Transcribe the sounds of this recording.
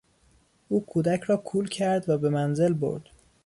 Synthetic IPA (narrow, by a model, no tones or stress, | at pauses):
ʔuːkʰuːd̪æcʰɾɒːkʰuːlcʰæɾd̪væbe̞mænze̞lbo̰ɾd̪̥